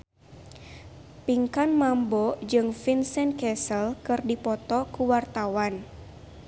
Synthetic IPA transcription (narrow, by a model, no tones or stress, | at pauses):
piŋkanmambɔd͡ʒɨŋfinsɛn̚kɛsəlkɨrdipɔt̪ɔkuwart̪awan